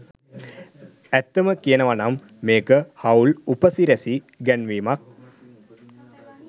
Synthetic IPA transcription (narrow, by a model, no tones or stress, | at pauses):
æt̪ːəməkijənəʋanamː | eːkəhawlupəsiɾæsi | ɡænʋiːmak̚